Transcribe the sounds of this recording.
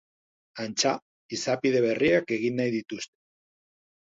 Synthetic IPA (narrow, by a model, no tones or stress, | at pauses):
ant͡ʃa | isapiðe̞β̞e̞riake̞ɣinːajðit̪ust̪e̥